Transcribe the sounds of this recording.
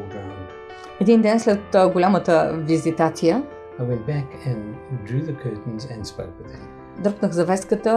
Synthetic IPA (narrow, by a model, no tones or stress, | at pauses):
dãn | ɛd̪ind̪ɛnslɛt̪ɡʊlʲamət̪əvizit̪at̪ijə | aɪwɛ̃nt̚b̥æk | ɨ̃ndɹʉːðəkʰɜːˑʔn̩zɨ̃nspo̰ʊkwɨð̥ɨ̰̃mm | d̪ɾknəxzɐvɛskət̪ə